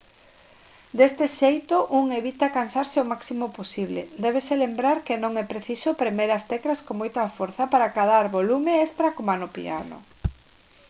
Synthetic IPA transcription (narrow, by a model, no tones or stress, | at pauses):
d̪est̪ɪʃejt̪oʔuŋeβit̪akansaɾseomaksimoposiβlḛd̪ɛβ̞eselembɾaɾkenõŋɛpɾeθisopɾemeɾast̪ɛkɾaskoŋmojt̪ɐfoɾθapaɾakaðaɾβolumeest̪ɾakomanopḭa̰nʊ̰